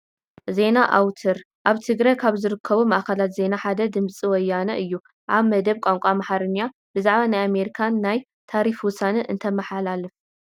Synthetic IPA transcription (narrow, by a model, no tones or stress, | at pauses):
ze̞naʔa̰wt̪ʰɐɾ | ʔaβt̪ʰɨɡɾajkʰaβzɨɾɨkʰːɐβumaʔkɐlat̪ze̞naħad̪ɐd̪ɨmt͡sʼiwɔjːanɐʔɨjːu | ʔaβmɐd̪ɐβkʷʼaŋkʷʼamaħaɾɨnːa | b̥ɨzaʕβanajame̞ɾikʰanːaj | t̪ʰaɾifwʊsanɐʔɨ̰nt̪ʰɐmɐħalalɨf